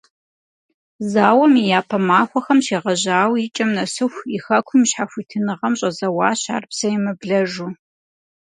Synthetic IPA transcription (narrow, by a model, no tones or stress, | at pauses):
zaːwɐmijaːpʰɐmaːxʷɔxɐmʃeːʁɐʑaːwjɪt͡ʃʼɐmnɐsɨxʷixɐkʷʰʊmɕħaxʷitʰɨnɨʁɐmɕʼɐzɐwaːɕa̰ːrpsɐjɛmɨbɮɐʒu